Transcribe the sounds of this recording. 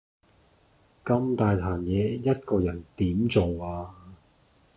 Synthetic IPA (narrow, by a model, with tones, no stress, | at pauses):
kɐ˧mt̪aː˨jt̪ʰaː˨˩njɛː˨˧˥jɐ˥t̚kɔː˧jɐ˨˩nt̪iː˨˥mt͡so˨waː˧